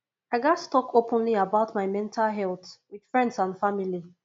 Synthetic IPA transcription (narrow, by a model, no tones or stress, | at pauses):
aɪɡattɔkʰopʰə̃nliabaʊtmaɪmɛ̃ntʰalɦɛlˠθwid̥fɹɛ̃ndsãnfamili